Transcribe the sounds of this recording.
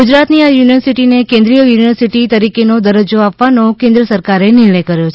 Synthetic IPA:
ud͡ʒɾat̪niajuniʋəɾsiʈinekẽnd̪ɾijəjuniʋəɾsiʈit̪əɾikenod̪əɾəd͡ʒoapʋanõkẽnd̪ɾəsəɾkaɾenɪɭɽ̃əjkəɾjot͡ʃʰe

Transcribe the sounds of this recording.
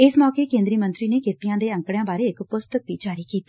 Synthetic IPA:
ɪsmɔːkeːkẽːnd̪ɾiːmə̃nt̪ɾiːneːkʰɪt̪ɪjãːd̪eːə̃ŋkɽjãːbaːɾeːɪkpʊst̪ək̚bid͡ʒaːɾiːkiːt̪aː

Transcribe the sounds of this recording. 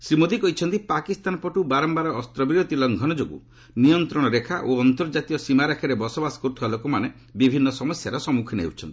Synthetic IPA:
simod̪ikɔɦit͡ʃʰɔnt̪ipakist̪anɔpɔʈubaɾɔmbaɾɔːst̪ɾɔbiɾot̪ilɔŋɡʱɔñɔd͡ʒoɡṵ | nijɔnt̪ɾɔɽ̃ɔɾekʰaʔoɔnt̪ɔɾd͡ʒat̪ijɔsimaɾakʰeɾebɔsɔbasɔ̥kuɾt̪ʰbalokɔmane | bibʱinːɔsɔmɔsjaɾɔsɔmukʰineɦḛwt͡ʃʰɔ̰nt̪i

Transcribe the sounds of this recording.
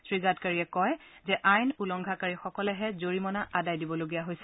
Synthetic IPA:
sɹiɡatkaɹiɛkɔjzɛʔajnulɔŋɡʱakaɹixɔkɔlɛɦɛzoɹimɔnaʔadajdibɔloɡijaɦojsɛ̥

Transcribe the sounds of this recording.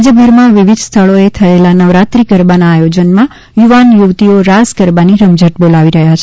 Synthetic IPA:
d͡ʒəbʱəɾmãʋɪʋɪd̪ʱst̪ʰəɭoet̪ʰəelanəʋɾat̪ɾikəɾbanaːjod͡ʒənmã | juʋanjuʋt̪ioɾaskəɾbaniɾəmd͡ʒəʈbolaʋiɾəɦjat͡ʃʰe

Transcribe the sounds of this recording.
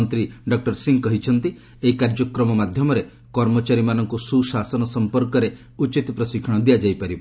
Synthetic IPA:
nt̪ɾiɖɔk̚ʈɔɾsiŋkɔɦit͡ʃʰɔnt̪i | eɦikaɾd͡ʒɔkɾɔmɔmad̪ʱjɔmɔɾe | kɔɾmɔt͡ʃaɾimanɔŋkususasɔnɔsɔmpɔɾkɔɾe | ut͡ʃit̪ipɾɔsikʰɔɽ̃ɔd̪ijad͡ʒajpaɾib

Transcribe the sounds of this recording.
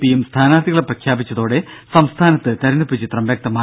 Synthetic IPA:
pijumst̪ʰaːnaːd̪iɣɐɭprɐkʰjaːbit͡ɕːɐðo̞ːɽe̞sɐmst̪ʰaːnɐt̪ːɨt̪ɐɾɐnupːit͡ɕit̪rɐmbjɐk̚t̪ɐmaː

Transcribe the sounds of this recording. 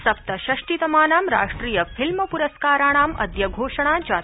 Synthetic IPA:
sɐp̚t̪ɐʃɐʂʈit̪ɐmaːnaːmɾa̰ːʂʈɾiːjɐfʰilmɐpuɾɐskaːɾaːɽ̃aːmɐ̰d̪jɐɡʱoːʂɐɳ̃aːd͡ʒaː

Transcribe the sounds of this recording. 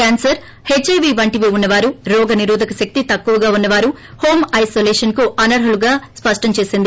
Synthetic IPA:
kaːnsɐɾ | het͡ʃːɐːʋiːʋɐɳʈiʋeːunːɐʋaːɾuɾɔːɡɐniɾuːd̪ʱɐkɐʃɐk̚t̪it̪ɐkːuʋɐɡaːunːɐʋaːɾu | hoːmɐjsoːleːʂɐnkuʔɐnɐɾɦɐluɡaːspɐʂʈɐɲt͡ʃeːsind̪i

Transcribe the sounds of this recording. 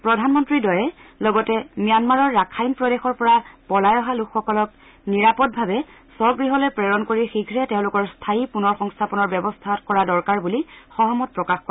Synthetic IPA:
pɹɔdʱanmɔntɹidɔjɛlɔɡɔtɛmijanmaɹɔɹːakʰajmpɹɔdexɔɹpɔɹapɔlajɔɦalukʰxɔkɔlɔk | niɹapɔt̚bʱabɛ | sɔɹɡɹiɦɔlojpɹɛɹɔnkoɹixiɡʱɹɛteʊ̃lʊkɔɹstʰajipunɔɹxɔŋstʰapɔnɔɹbɛbɔstʰakɔɹadɔɹkaɹbulixɔɦɔmɔt̚pɹɔkaxkɔɛ

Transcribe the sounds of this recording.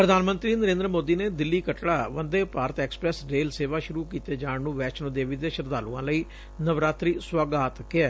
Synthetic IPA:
pɾəd̪ʱaːnmənt̪ɾiːnəɾẽːnd̪ɾəmoːd̪iːneːd̪ɪlːiːkəʈɽaːʋənd̪eːpaːɾət̪ɛːkspɾɛːsɾeːlseːʋaːʃʊɾuːkiːt̪eːd͡ʒaːɳnũːʋɛːt͡ʃnõːd̪eːʋiːd̪eːʃəɾd̪aːluːãːləiː | nəʋɾaːt̪ɾiːswaɡaːt̪kɪɛː

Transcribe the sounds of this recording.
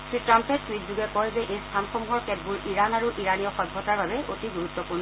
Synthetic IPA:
sɹitɹampɛttwitzuɡɛkɔjzɛʔejstʰanxɔmuɦɔɹkɛdbuɹiɹanaɹuʔiɹanijɔxɔbʱːɔtaɹbabɛʔotiɡuɹut̪ːɔpuɹn

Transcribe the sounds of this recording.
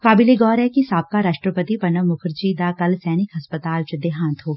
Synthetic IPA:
kaːbɪleɡɔːɾɦɛkisaːp̚kaɾaːʃʈɾəpət̪ipɐnəʋmʊkʰɾd͡ʒid̪akɐlsɛːnɪkɦɐspət̪aːlt͡ʃʊd̪eɦaːnt̪ɦoː

